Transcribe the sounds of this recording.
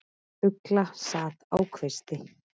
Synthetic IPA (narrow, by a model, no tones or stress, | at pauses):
ʏklasaːt̪aːwkʰvɪst̪ɪ